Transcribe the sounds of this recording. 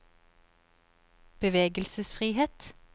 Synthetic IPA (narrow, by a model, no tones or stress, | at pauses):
b̥əʋeːɡəlsəsfʁiːheːt̪